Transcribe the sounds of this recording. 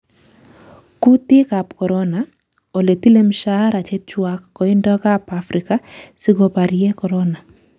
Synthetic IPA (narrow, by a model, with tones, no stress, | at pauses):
ku˦t̪ɪ˦ka˨pkɔ˨ɾɔ˦na˨ | o˨le˨ti˦le˦mʃa˦ɾa˨t͡ʃe˦t͡ʃwa˦kːɔ˨i˦ndɔ˦ka˦pafɾika˦si˦ɡɔ˨pa˨ɾjɛ˦kɔ˨ɾɔna˨